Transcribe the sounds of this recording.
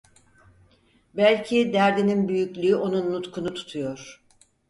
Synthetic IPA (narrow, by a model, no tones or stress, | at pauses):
bælʲcʰid̪æɾd̪ininbyjycʲlʲyːʔo̞nunːut̪kʰunut̪ʰu̥t̪ʰujoɾ̥